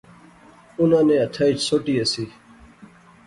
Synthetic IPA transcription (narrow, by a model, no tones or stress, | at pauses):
unãːnẽɐt̪ʰat͡ɕsoʈiːɐsiː